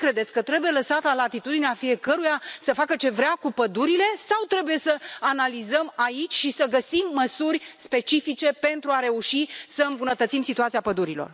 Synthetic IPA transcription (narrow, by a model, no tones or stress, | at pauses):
kɾe̞d̪et̪sʲkət̪ɾe̞buje̞ləsat̪alat̪it̪ud̪ineafije̞kəɾujasəfakət͡ʃe̞vɾeakupəd̪uɾile̞sawt̪ɾe̞buje̞səanalizəmait͡ʃʲʃisəɡəsimːəsurʲspe̞t͡ʃifit͡ʃe̞pe̞nt̪ɾuaɾe̞uʃisəɨmbunət̪ət̪simsit̪uat̪siapəd̪uɾilo̞̰r